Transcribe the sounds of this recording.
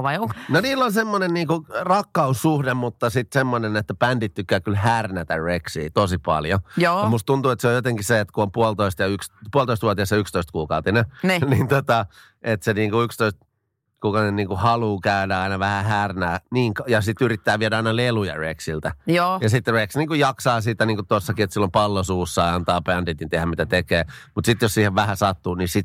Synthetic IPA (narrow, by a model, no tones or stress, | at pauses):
ʋɑiononiːlːonsemːonenniːŋkurɑkːɑusːuhdemmut̪ːɑsit̪semːonenet̪ːæpændit̪t̪ykːæːkylhærnæt̪æreksḭːt̪osipɑ̰ljojoːmust̪unt̪uet̪seojot̪eŋkiseet̪kuompuolt̪oist̪jɑykspuɑlt̪oist̪ʋuot̪iɑsːɑykst̪oist̪̚kuːkɑut̪inenːnint̪ot̪ɑ | ʔet̪seniːŋkuykst̪oist̪̚ | kukɑnenniːŋkuhɑluːkæydæɑinɑʋæhæhæːrnæːniːŋkjɑsit̪yrit̪ːæːʋiɛdæɑinɑlelujɑ̰rḛksilt̪æjoːjɑsit̪ːreksniːŋkujɑksɑːsiːt̪æniːŋkutt̪osːɑkiet̪silːompɑlːosuːsːɑjɑnt̪ɑːpændit̪nit̪ehæmmit̪æt̪ekeːmut̪sit̪jossiːheʋʋæhæsɑt̪ːuːnisit̪